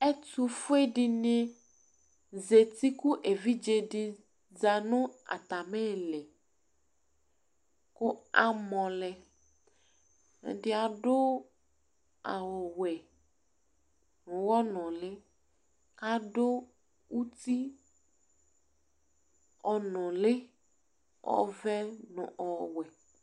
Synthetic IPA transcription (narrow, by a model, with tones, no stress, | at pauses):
e˦tu˦fo˦e˦ɖi˦nẽ˦ | ze˨t̪i˦ku˦ʔe˨vi˦d͡ʒe˦ɖi˨ | d͡za˨nõ˦a̰˨t̪a˨mẽ˦˨lɛ˨ | ko˦a˨mɔ̃˨lɛ˨ | di˨a˨ɖo˦ | a˨wɔ˨wɛ˨ | nʊ̃˨wɔ˦nɔ̃˨le˦ | ka˦ɖo˦ | wu˦t̪i˦ | ɔ˨nɔ̃˨le˦ | ɔ̰˦˨vɛ˦nʊ̰̃˨ʔɔ˨wɛ˨